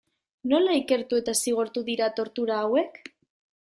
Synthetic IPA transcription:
no̞laike̞ɾt̪ue̞t̪asiɣ̞oɾt̪uðiɾat̪o̞ɾt̪uɾaːwe̞k

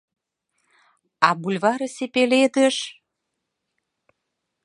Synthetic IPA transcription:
ɑbulʲβɑɾɤ̆sepeled̪ə̆ʃ

